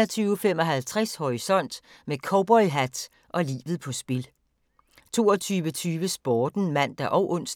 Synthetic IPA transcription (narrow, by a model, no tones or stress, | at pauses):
ɐt͡sʰyːʊfem̰ɒ̽ɦælt͡sʰʁashɒʁisɒ̽n̰d̥ | mekʰɒʊb̥ɒ̽ɪɦæd̥ | ʔɒ̽lḭːʋð̩ˠpʰɒ̽sb̥e̝l | t͡sʰo̝̰ːɒt͡sʰyːʋət͡sʰyːʋəsb̥ɒːd̥n̩mæn̰d̥æʔɒʊʔɔ̽n̰sd̥